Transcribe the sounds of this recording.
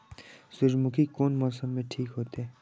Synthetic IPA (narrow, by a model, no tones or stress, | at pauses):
sʊd͡ʒmʊkʰikoːnmɔːsəmːẽʈʰiːkɦoːt̪eɦɛː